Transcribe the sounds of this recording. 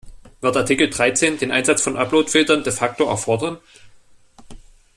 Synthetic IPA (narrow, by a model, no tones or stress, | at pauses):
v̥ɪɐtʔaɐtʰɪkl̩dʁaɪt͡seːndeːnʔa̰ɪnzat͡sfɔnʔaploːtfɪltɐndeːfak̚toɛ̰ɐfɔɐdɐn